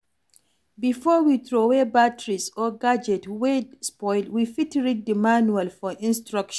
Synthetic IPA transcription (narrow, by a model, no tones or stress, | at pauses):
bifɔwitɾowebatɹisɔɡad͡ʒɛtwedspɔjlwifitɹit̚dəmanualfɔʔĩnstɹakʃn